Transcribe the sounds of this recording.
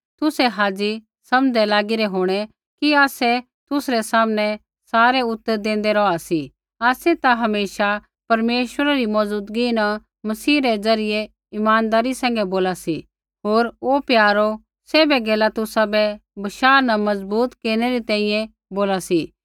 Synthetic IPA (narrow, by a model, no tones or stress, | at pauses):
t̪ʊsɛɦaːd͡zi | sɐmɛlaːɡɪɾɛɦoːɽ̃ɛ | kiaːsɛ | t̪ʊsɾɛsaːmnɛ̃ | saːɾɛʊt̪ːəɾd̪ẽːnd̪ɛɾɔasi | aːsɛt̪aɦɐmeːʃa | pɐɾmeːʃwəɾaɾimɔːzuːd̪ɡinã | mɐsiːɾɛd͡zɐɾɪjɛ | ɪmaːnd̪aːɾisɛ̃ːŋɡɛboːlasi | ɦoːɾopjaːɾo | seːbɛɡɛːlat̪ʊsabɛbɐʃaːɾnamɐzbuːt̪keːɾnɛɾit̪ɛ̃ːĩjɛ̃ | boːlasiː